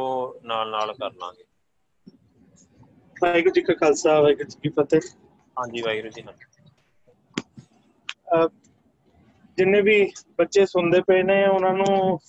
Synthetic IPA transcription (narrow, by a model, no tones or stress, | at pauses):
oːnaːlnaːlkəɾna̰ːɡeː | aɪkd͡ʒɪkʰakʰəlsaːʋəkt͡ʃkiːpət̪eː | ɦãːd͡ʒiːʋaːiɾəsina | d͡ʒɪnːẽːbiːbətːʃeːsʊnd̪eːpɛeːneːʊnãːnũː